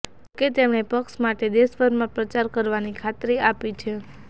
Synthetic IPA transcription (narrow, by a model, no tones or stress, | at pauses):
ket̪emɳepəkʃmaʈed̪eʃbəɾmãpɾət͡ʃaɾkəɾʋanikʰat̪ɾiapit͡ʃʰe